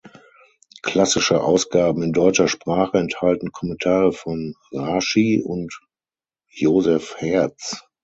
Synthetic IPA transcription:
kʰl̥asɪʃəʔaʊsɡ̥aːbm̩ɪndɔʏt͡ʃɐʃpʁ̥aːχəɛnthaltn̩kʰɔmɛntʰaːʁəfɔn | ʁaʃiʊ̰nt | joːzɛfhɛɐt͡s

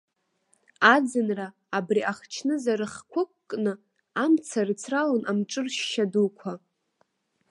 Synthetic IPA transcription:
ad͡zɨnraː | briʔaχt͡ʃʰnɨzaɾɨχkʷʰʊkʷːʼnɨ | amt͡sʰarɨt͡sʰralanʔamʈ͡ʂʼɨrʃːadukʷʰa

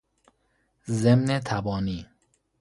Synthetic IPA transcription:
zemnet̪ʰæbɒːniː

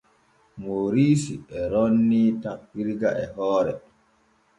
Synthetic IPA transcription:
moːɾiːsiʔɛɾonːiːtapːiɾɡaʔɛɦɔːɾɛ

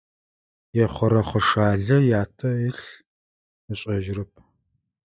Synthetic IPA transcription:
jɛχʷɐɾɐχəʂaːɮɐjaːtʰɐɪɬ | ɨɕʼɐʒrɨp̚ʰ

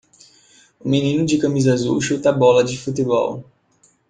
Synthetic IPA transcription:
ʊminĩnʊd͡ʒɪkɐmizazṵwʃut̪ɐbɔlɐd͡ʒɪfut̪ebɔ̰w

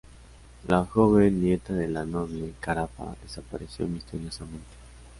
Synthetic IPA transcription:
laxoβenːjet̪aðelanoβlekaɾafa̰ðesapaɾesjo̞̰mist̪eɾjo̞samẽ̞nt̪e̥

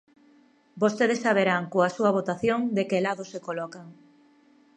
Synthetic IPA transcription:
bost̪eðesːaβ̞eɾaŋkoasuɐβ̞ot̪aθjoŋd̪ekelaðosekolɔkaŋ

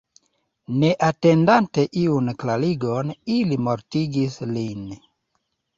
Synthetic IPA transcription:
ne̞ʔate̞ndante̞ʔiunklaliɡo̞nilimo̞ɾtiɡislin

